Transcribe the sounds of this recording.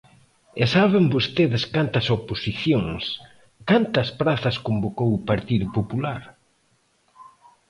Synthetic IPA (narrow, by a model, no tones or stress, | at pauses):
esaβembost̪eðɪskant̪ɐsoposiθjoŋs | kant̪ɐspɾaθɐskombokowupaɾt̪iðʊpopulaɾ